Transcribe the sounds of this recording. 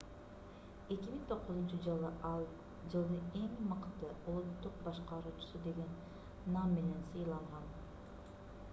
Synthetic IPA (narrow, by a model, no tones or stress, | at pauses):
e̞kʲimiŋt̪ʰo̞qːʊzunt͡ʃɨd͡ʒɯlˠɯʔɑlˠ | d͡ʒɯlˠd̪ɯe̞ŋmɯqt̪ɯulˠut̪ːuq̚bɑʃqɑɾuːt͡ʃu̥sud̪e̞ɡe̞nː | amːene̞nsɯjlˠɑɴʁɑn